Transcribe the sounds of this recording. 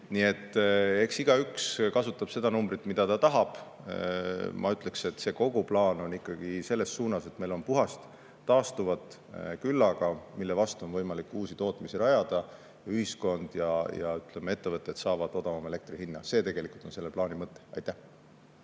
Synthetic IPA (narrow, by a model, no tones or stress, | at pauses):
nie̞t̪ːe̞ksiɡ̥ɑykskɑsut̪ːˑɑb̥se̞d̪̥ɑnumbɾit̪ːmid̪̥ɑt̪ɑt̪ɑɦɑb̥ | mʔɑ̰yt̪ˑle̞kse̞t̪ːse̞ko̞ɡ̥uplɑːno̞nikːˑɑɡ̥ise̞lːe̞sːuːnɑse̞t̪me̞jlo̞npuɦɑst̪ː | ɑːst̪uvɑt̪ | kylːɑɡ̥ɑmilːe̞vɑst̪uo̞nvɤjmɑlikːˑuːsit̪o̞ːt̪misiɾɑjɑd̪̥ɑ | jɑyhisko̞nd̪̥jɑjɑ̰yt̪le̞mee̞t̪ːe̞vɤt̪ːˑe̞t̪sɑːvɑd̪̥o̞d̪ɑvɑme̞le̞k̚t̪rihinːɑse̞ːt̪e̞ɡ̥e̞likult̪o̞nse̞lːeplɑːnimɤt̪ˑːe̥ɑ̰jt̪ːˑæh